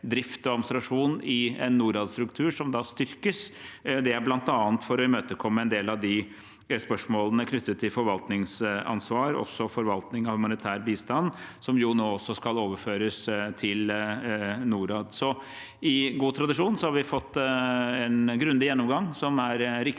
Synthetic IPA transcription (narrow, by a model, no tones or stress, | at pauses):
d̪ɾɪft̪ɔɑmst̪ɾɑʂuːnɪɛ̰nːuːɾɑːd̪st̪ɾʉkt̪ʰʉːʂɔmd̪ɑst̪ʏɾkəsd̪ɛæɾblɑnt̪ɑːnt̪fɔɾʋɪmøːt̪əkʰɔmːəɛnd̪eːlɑʋd̪ɪ | spœʂmoːlənəkʰnʏt̪ːət̪ʰːɪlfɔɾʋɑlt̪nɪŋsɑ̰nsʋɑːɾɔ̰sːɔfɔɾʋɑlt̪nɪŋɑhʉmɑnɪt̪ʰæːɾbiːst̪ɑnːsɔmjʊnoːɔsːɔskɑloːʋəføːɾəst̪ʰɪl | nuːɾɑːd̪sɔ | ɪɡuːt̪ʰɾɑd̪ɪʂuːnsɔhɑɾʋɪfɔt̪ːɛnɡɾʉnd̪ɪjɛnːɔmɡɑŋsɔmæɾɾɪk